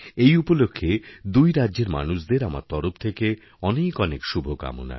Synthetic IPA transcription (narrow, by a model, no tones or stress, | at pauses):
ejupolokʰːed̪ujɾaːʑeɾma̰nuʃd̪eɾama̰ɾt̪ɔɾopt̪ʰeke | ɔnekɔnekʃubʱoka̰mo̰na̰